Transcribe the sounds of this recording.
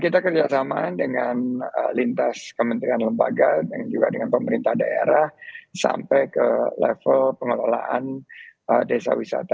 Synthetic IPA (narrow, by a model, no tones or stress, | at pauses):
kit̪akərd͡ʒasamadəŋanə̰lint̪askəmənt̪ɾianləmba̰ɡadaŋd͡ʒuɡa̰dəŋanpəməɾint̪ahdaḛɾahsa̰mpɛjkəlɛ̰fəlpəŋəlola̰ʔanʔədesa̰wisa̰t̪a